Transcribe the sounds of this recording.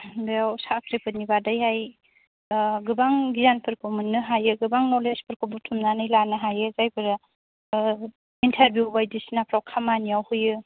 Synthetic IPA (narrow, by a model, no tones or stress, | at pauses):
bewsakʰɾepʰɯnibadajɦaj | ɡɯbaŋɡizanpʰɯɾkʰɯmɯnːɯɦajɯɡɯbaŋnɔlespʰɯɾkʰɯbutʰumnanɯjlanɯɦajɯzajbʰɯɾ | intʰeɾbjubajdisinapʰɾawkʰamanijawhujɯ